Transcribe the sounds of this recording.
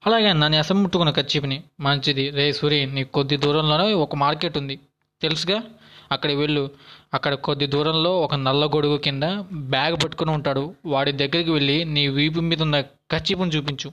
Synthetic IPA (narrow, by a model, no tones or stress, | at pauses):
ɐlaːɡeːnaːnːiɐsɐmuʈːukunɐkɐt͡ʃːiːpɐnimɐɲt͡ʃid̪iɾeːjsuɾiːnːiːkukod̪ːid̪uːɾɐmloːneːɔkɐmaːɾke̞ːʈːund̪i | t̪elusuɡaːɐkːɐɽɐʋe̞ɭːuɐkːɐɽɐkod̪ːid̪uːɾɐmlo̞ːɔkɐnɐlːɐɡoɽuɡukind̪ɐbjaːɡpɐʈːu̥kunuuɳʈaːɽuʋaːɽid̪ɐɡːɐɾikiʋe̞ɭːiniːʋiːp̬umiːd̪ɐnːɐ | kɐɾt͡ʃːiːpɐnit͡ʃuːpiɲt͡ʃu